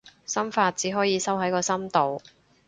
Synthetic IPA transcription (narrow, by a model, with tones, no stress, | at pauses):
sɐ˥mfaː˧t̚t͡siː˨˥ɦɔː˨˥jiː˨˧sɐ˥wɦɐ˨˥jkɔː˧sɐ˥mt̪o˨w